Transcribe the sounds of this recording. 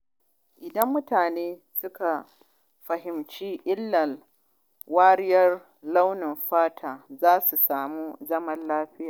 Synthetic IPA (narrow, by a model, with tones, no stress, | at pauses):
ʔɪ˨dɐ˦mːʊ˦taː˨neː˦sʊ˦ka˨ | ɸɐ˨ɦɪ˨mt͡ʃiː˦ʔɪ˦lːɐ˨ | waː˦ɾɪ˦jɐ˦r | la˦wnɪ˨mɸaː˦tʰaː˨zaː˦su˨saː˨mu˦zɐ˦mɐ˦nlaː˦ɸɪ˦jaː˨